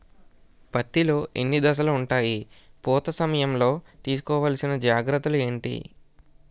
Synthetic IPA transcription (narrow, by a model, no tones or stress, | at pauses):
pɐt̪ːilo̞ːʔḛnːid̪ɐs̬ɐluuɳʈaːjipɔːt̪ɐsɐmɐjɐmlo̞ːt̪iːs̬u̥kɔːʋaːlsinɐd͡ʒaːɡɾɐt̪ːulue̞ːɳʈḭ